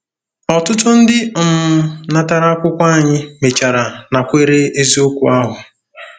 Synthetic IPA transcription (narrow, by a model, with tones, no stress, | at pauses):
ɔ˨tʊ˦tʊ˦n̩˦dɪ˦m̩˨na˦ta˦ɾa˦a˦kʷʊ˦kʷa˦a˨ɲɪ˦me˨t͡ʃa˨ɾa˨na˨kʷe˦ɾe˦e˦zi˦o˦kʷṵ˨a˦ɦʊ˨